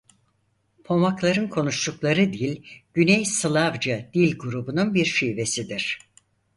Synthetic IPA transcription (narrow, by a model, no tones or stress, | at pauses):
pʰo̞maklˠaɾɯnkʰo̞nuʃluklˠaɾɯd̪ijilʲɟ̥ynɛjsɯlˠavd͡ʒad̪̥ilʲɡuɾubununbiɾʃijve̞sid̪iɾ̥